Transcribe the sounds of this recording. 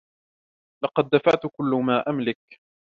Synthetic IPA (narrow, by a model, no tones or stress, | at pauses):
lɑqɑd̪ːafaʕt̪ʊkʊlːʊmaːʔamlɪk